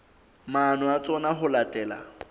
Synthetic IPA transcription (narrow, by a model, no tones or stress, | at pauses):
manʊat͡sʼɔnaɦʊlatʼɛːla̰